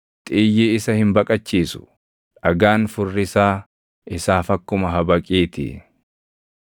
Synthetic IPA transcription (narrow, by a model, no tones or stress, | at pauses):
t̪ʼiːjːeːɪsɐhɪmbɐkʼɐt͡ʃːiːsʊ̥̰ | ᶑɐɡaːnfʊrːɪsaː | ɪsaːfɐkːʊmɐɦɐbɐkʼiːt̪ɪ̰